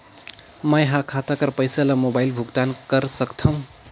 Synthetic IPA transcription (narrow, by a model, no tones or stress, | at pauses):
mʌjɦãkʰat̪akʌɾpʌjsalamobajlbʱukʈankʌɾsʌkt̪ʰʌw̃